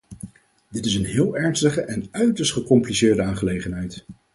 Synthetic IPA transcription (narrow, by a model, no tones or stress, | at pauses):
dɪtɪsənɦɪːlˠɛɹnstəχəʔɛnœɥtəstχəkɔmplisɪːɹdəaːnχəlejχənɦɛjt